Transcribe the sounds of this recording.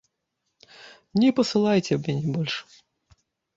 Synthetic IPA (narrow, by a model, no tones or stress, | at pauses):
nʲɛpɐsɨlˠajt͡sʲɛbʲɛnʲibɔlʲʂ